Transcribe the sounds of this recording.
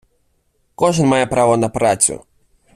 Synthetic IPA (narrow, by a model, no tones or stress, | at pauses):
kɔʐɨnmajɛpɾavɐnɐpɾat͡sʲṵ